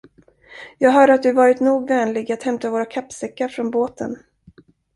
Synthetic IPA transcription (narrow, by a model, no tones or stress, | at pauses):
jɑːɡɦœːɖəat̪̚d̪ɵvɑːɾɪt̪nuːɡvɛːnlɪɡat̪hɛmt̪ʰavoːɾakʰapːsɛkːaɾfɾɔnboːt̪ʰə̰n